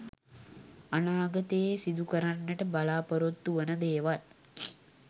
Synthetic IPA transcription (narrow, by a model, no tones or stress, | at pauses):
anaːɡət̪ejesid̪ukəɾanːəʈəbalaːpoɾot̪ːuʋənəd̪eːʋal